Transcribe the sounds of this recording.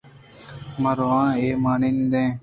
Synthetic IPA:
məɾʋãːeːmaːɳiːnd̪ẽː

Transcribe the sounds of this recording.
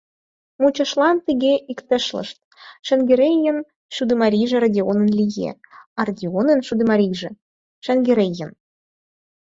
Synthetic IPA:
mut͡ɕɤ̆ʃlˠɑnt̪iɣʲeʔikt̪ə̆ʃlə̰ʃt̪̚ | ʃɘ̆nɡĕɾʲejə̆n | ʃud̪ɘmɑɾʲiʒĕrɑdʲeonə̆nlʲijḛɑrɑdʲionə̆nʃud̪ɘ̆mɑɾʲiʒĕ | ʃɘ̆nɡĕɾʲejə̆n

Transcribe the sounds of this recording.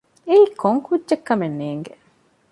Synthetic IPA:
eiːkʰoŋkudʒekːɐmenːeːŋɡe

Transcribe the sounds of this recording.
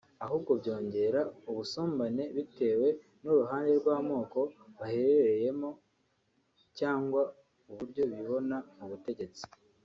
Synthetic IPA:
aɦub̚ɡo̞bɟo̞ːɲɟe̞ɾauβusoːmbane̞βite̞ːwe̞ | nuɾuɦaːnde̞ɾɡwaːmo̞ːko̞βaheɾeɾeje̞mo | caːŋɡwa | uβuɾɟo̞βiβo̞namuβute̞ɟe̞t͡si̥

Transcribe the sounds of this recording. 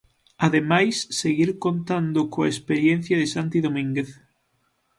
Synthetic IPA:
aðemajsːeɣiɾkont̪and̪ʊkoaespeɾjenθjɐðɪsant̪iðomĩŋɡeθ

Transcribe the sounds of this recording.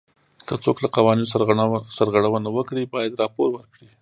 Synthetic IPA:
kət͡soklaqawɑninossaɾɣaɽawənawəkɽibɑjad̪ɾɑpoɾwəɾkɽi

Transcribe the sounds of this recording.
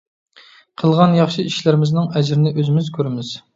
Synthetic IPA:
qʰəlˠʁɑnjɑχʃiiʃlɪɾɪmɪznɪŋɛd͡ʒɾɪnɪʔøzɪmɪzkʲʰøɾɪmɪz̥

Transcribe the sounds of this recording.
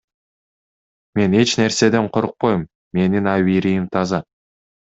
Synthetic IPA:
me̞ne̞t͡ʃne̞ɾse̞d̪e̞ɴqʰoɾuq̚pojmːe̞ninɑβiɾijimt̪ʰɑzɑ

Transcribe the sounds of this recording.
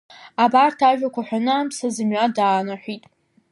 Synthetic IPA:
abartʰaʒᶣakʷaħʷᶣanɨamsazɨmɥadaːnaħʷitʼ

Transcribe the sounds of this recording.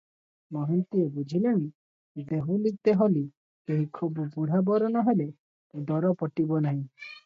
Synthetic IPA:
mɔɦint̪iebud͡ʒʱileɽ̃i | d̪eɦũlit̪eɦoli | keɦikʰububuɽ̤abɔɾɔnɔɦele | d̪ɔɾɔpɔʈibɔnaɦĩ

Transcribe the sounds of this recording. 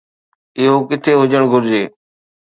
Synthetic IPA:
ɪɦoːkɪt̪ʰeːɦʊd͡ʒəɳ̃ɡʱʊɾd͡ʑeː

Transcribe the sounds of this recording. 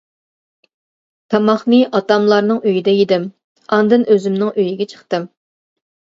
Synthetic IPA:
t̪ʰɑmɑχnɨʔɑt̪ɑmlˠɑɾnɨŋøjid̪ɛjid̪ɪm | ɑnd̪ɨnʔøzymnɪŋʔøjiɡʲɛt͡ʃʰə̥χt̪ɨm

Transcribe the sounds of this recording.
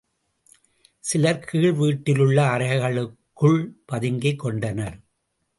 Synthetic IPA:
sɪlɐɾkʰiːɭʋiːʈːɪlɯɭːɐːɾɐɐɪɣɐɭɯkːɯɭpɐðɪŋɡɐɪkːɔɳɖɐnɐɾ

